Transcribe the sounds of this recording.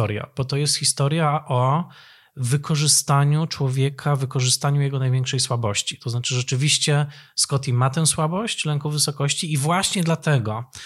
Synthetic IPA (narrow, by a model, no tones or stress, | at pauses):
ɔɾja̰b̥ɔt̪ɔjɛst̪xʲist̪ɔɾjaʔɔ | vɘkʰɔʐɘst̪aɲut͡ʂwɔvʲjɛkʰavɘkɔʐɘst̪aɲujɛɡɔnajvjɛŋkʂɛjswabɔɕt͡ɕi̥t̪ɔznat͡ʂɘʐɛt͡ʂɘvʲiɕt͡ɕɛskɔt̪ʲimat̪ɛ̃w̃swabɔɕt͡ɕlɛŋkɔvɘsɔkɔɕt͡ɕiːvwaɕɲɛd̪lat̪ɛɡɔ